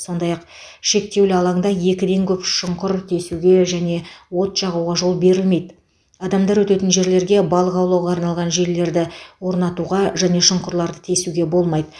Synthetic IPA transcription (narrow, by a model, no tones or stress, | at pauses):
so̞nd̪ɑjɑq | ʃe̞k̚t̪e̞wlɪɑlˠɑŋd̪ɑje̞kʲɪd̪e̞ŋkʲʰɵpʃəɴqʊɾt̪ʰe̞suɡʲe̞ʒæne̞wo̞t̪ʃɑʁuwʁɑʒo̞lˠbe̞ɾɪlme̞jd̪ | ɑd̪ɑmd̪ɑɾwɵt̪e̞t̪ɪnʒe̞ɾle̞ɾɡʲe̞bɑlˠəqɑwlˠɑwʁɑːɾnɑlˠʁɑnʒe̞ɾle̞ɾd̪ɪwo̞ɾnɑt̪uʁɑʒæne̞ʃəɴqʊɾlˠɑɾd̪ət̪ʰe̞suɡʲe̞bo̞lˠmɑjd̪ə